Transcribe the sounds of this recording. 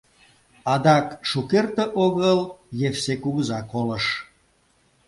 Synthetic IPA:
ɑd̪ɑkʃukert̪əʔoɣəljefsekuɣuzɑkolə̆ʃ

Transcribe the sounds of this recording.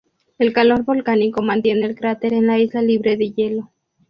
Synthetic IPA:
e̞lkalo̞ɾβo̞lkaniko̞mãnt̪je̞neːlkɾat̪e̞ɾe̞nlaizlaliβɾe̞ðeʝe̞lo̞

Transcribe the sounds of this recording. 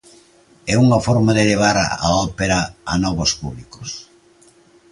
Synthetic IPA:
ɛuŋɐfɔɾmaðeleβ̞aɾa̰ɔpeɾɐa̰nɔβospuβliko̥s

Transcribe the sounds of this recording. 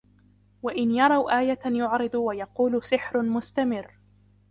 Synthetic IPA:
waʔɪnjɑɾˤɑwʔaːjajʊʕɾɨd̪ˤwajɑquːlʊsɪħɾmʊst̪amɪrː

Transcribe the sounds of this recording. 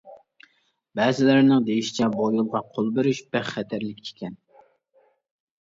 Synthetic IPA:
bɛːzɪlæɾnɪŋd̪ejiʃi̥t͡ʃʰɛbojulˠʁɑqʰolˠbeɾyʃbæχχɛt̪ʰæɾlɪkʲːʰe̥kʲʰɛn

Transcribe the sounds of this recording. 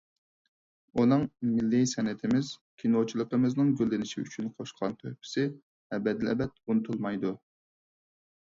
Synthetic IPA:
unɨŋmɪlːɪsɛnɪt̪ʰɪmɪzkʲʰinot͡ʃʰulˠəqəmɪznɨŋɡʲølːɪnɪʃiy̰t͡ʃʰynqʰoʃqʰɑnt̪ʰøhpʰɪ̥sɪ | ɛbɛd̪ɪlɛ̰bɛt̪̚unɨt̪ʰulˠmɑjd̪u

